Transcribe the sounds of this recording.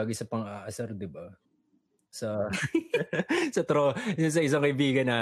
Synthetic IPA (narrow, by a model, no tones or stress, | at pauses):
ɡɪsɐpɐŋaːʔɐsɐɾd̪ɪbɐ | sɐ | sɐt̪ɾoɐs̬ɐʔɪs̬ɐŋkɐʔɪbiːɡɐnaː